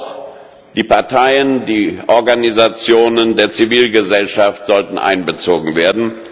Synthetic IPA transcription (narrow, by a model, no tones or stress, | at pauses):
d̥iːpaɐtʰaɪəndiːʔɔɐɡanizat͡sjoːnəndeːɐt͡siviːlɡəzɛlʃaftz̥ɔltn̩ʔa̰ɪnbət͡soːɡŋ̩veːɐdn̩